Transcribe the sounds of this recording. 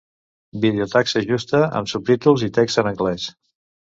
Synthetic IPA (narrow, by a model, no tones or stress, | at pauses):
biðeut̪aksəʒust̪əə̰msup̚t̪it̪ulˠzit̪ɛkzənəŋɡlɛs